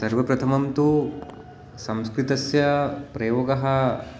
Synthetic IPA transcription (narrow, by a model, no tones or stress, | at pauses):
sɐɾʋɐpɾɐt̪ʰɐmɐmt̪u | sɐmskɾit̪ɐsjɐpɾɐjoːɡɐɦɐ